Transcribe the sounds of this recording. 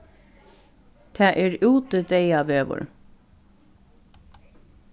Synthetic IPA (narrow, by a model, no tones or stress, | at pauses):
t̪ʰæːʔeːɾʉːt̪əd̪eɪɑːʋøːʋə̰ɹ